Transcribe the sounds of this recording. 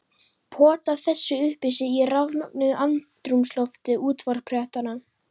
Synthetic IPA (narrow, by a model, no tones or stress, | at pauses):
pʰɔːt̪aθɛsːʏʏhpɪsɪiravnapnʏʔant̪ɾumslɔft̪ɪuːt̪vaɾ̥pʰɾaht̪ana